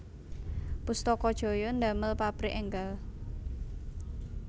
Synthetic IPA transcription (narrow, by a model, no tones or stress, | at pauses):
pust̪ɔkɔd̥ʒ̥o̤jɔnd̪a̤məlpapɾiʔɛŋɡal